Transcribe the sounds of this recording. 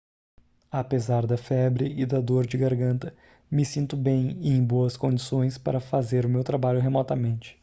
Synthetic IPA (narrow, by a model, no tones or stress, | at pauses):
apezaɾd̪ɐfɛbɾɪɪd̪ɐd̪oɾd͡ʒɪɡaɾɡɐ̃nt̪ɐ | mɪsĩnt̪ʊbẽj̃ɪẽj̃boɐskõd͡ʒisõj̃spa̰ɾɐfazeɾʊmewt̪ɾabaʎʊɦemɔt̪ɐmẽnt͡ʃɪ̥